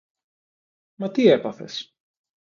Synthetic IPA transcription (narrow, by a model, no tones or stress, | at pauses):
mɐt̪ie̞pɐθe̞̰s